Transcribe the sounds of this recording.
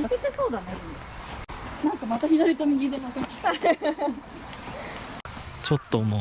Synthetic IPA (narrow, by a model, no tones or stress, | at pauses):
ket̪ːesoːd̪anaɾɯ̃nd̪e | nãŋkamat̪açid̪oɾʲit̪omʲid͡ʑid̪esasokʲi̥t̪a | t͡ɕot̪ːomo